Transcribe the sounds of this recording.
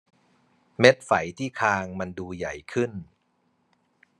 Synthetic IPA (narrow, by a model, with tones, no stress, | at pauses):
me˦˥t̪̚fa˩˦jt̪ʰiː˥˩kʰaː˧ŋma˧nduː˧ja˨˩jkʰɯ˥˩n